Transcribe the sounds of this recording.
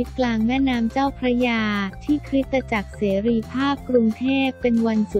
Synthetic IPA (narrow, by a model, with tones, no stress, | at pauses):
i˦˥t̪̚klaː˧ŋmɛː˥˩naː˦˥mt͡ɕaː˥˩wpʰɾa˦˥jaː˧t̪ʰiː˥˩kʰɾi˦˥t̪ːa˧t͡ɕa˨˩k̚seː˩˦ɾiː˧pʰaː˥˩p̚kɾu˧ŋt̪ʰeː˥˩pːe˧nwa˧nsu˨˩